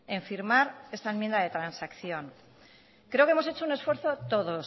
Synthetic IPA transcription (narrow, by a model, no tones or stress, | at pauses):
e̞ɱfiɾmaɾe̞st̪aemje̞nd̪aðe̞t̪ɾansakθjo̞ŋ | kɾe̞o̞keemo̞s̬e̞t͡ʃo̞une̞sfwe̞ɾθo̞t̪o̞ðo̞s